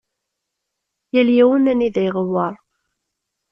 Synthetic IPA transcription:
jæljæwənæniðæjʁəwɑɾˤ

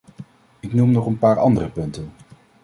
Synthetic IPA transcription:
ɪknumnɔχənpaːɹɑ̰ndərəpɵntən

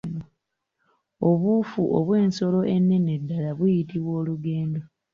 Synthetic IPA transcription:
oβufuʔo̰βwe̞ːnso̞lo̞ʔenːe̞nedːalaβujitiβwo̞ːluɡe̞ːndo

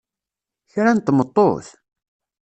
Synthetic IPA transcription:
çɾænt̪ːmət̪ˤːo̰θ

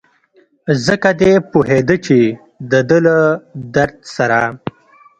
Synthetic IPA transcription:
zəkad̪epuɦed̪ət͡ʃe | d̪əd̪ələd̪aɾd̪saɾa

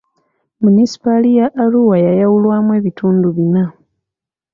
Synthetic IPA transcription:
munisi̥palijaʔːluwajajawulwaːmwe̞ːβitʰuːnduβina

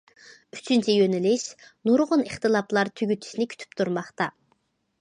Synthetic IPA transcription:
yt͡ʃʰynt͡ʃʰɛjønɪlɪʃnuɾʁʊnəχt̪ɨlˠɑplˠɑɾt̪ʰyɡʲyt̪ʰy̥ʃinɪkʲʰy̥t̪ʰy̥p̚t̪ʰuɾmɑχt̪ɑ

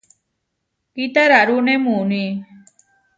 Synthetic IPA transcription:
kit̪aɾaɾunemuni

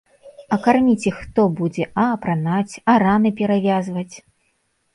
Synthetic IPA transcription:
ɐkarmʲit͡sʲɛxt̪ɔbud͡zʲɛʔɐːpɾanat͡sʲɐɾanɨpʲɛɾavʲazvɐt͡sʲ

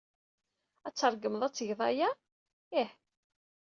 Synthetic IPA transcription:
æt͡sːəɾˤɡəməðˤæt͡sːəʝðˤɑja | iħ

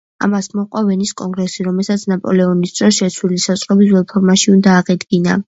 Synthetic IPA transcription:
a̰masmɔqʼwavɛniskʼɔŋɡɾɛsiɾɔmɛlˠsat̪sʰnapʼɔ̰lɛɔnist̪ʰʼɾɔsʃɛt̪sʰwilisasʼqʼɔbizwɛlpʰɔɾmaʃiund̪aːʁɛd̪ɡina

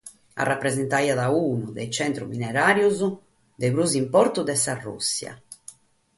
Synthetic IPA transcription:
a̰rːapːɾɛzɛnt̪aiaðauːnuðɛjt͡ʃɛnt̪ɾṵminɛɾaːɾjuzu | d̪ɛβɾuzimpɔɾt̪ud̪ɛsarːṵsːja̰

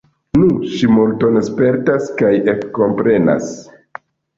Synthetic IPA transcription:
nuʃimulto̞nspe̞ɾtaskajekko̞mpɾe̞na̰s

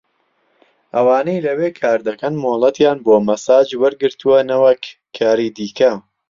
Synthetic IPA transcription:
ʔɐwaːnejlɐweːkʰaːɾd̪ɐkɐnmoːlˠɐt̪jaːnboːmɐsaːd͡ʒwɐɾɡɨɾt̪ʰuwɐnɐwɐkʰː | aːɾiːd̪iːkʰɐ

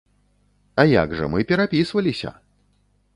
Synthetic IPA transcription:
aja̰ɡʐɐ̰mɨpʲɛɾapʲisvɐlʲisʲɐ̰

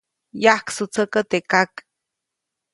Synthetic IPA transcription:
jahksut͡səkət̪ekak

